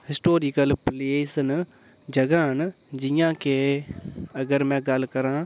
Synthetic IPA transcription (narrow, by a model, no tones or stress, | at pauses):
hɪsʈoːɾikəlpleːsn | d͡ʒɐɡãːn | d͡ʒijãke | ɐɡəɾmɛ̃ɡɐlkɐɾãː